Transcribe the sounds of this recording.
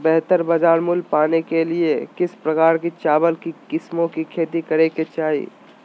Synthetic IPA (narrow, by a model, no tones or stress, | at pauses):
bɛɦt̪əɾbəd͡ʒaːɾmʊlpaːnekeliekɪspɾəkaːɾkit͡ʃaːbəlkikɪsmõkikʰeːt̪ikəɾeket͡ʃaːḭ